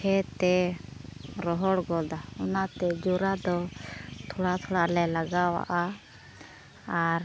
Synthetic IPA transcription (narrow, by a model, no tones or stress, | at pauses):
kʰɛt̪ɛ | ɾɔɦɔɽɡɔd̪aɔnat̪ɛd͡ʒuɾad̪ɔt̪ʰɔɽat̪ʰɔɽaʔlɛlaɡawa̰ʔa | aɾ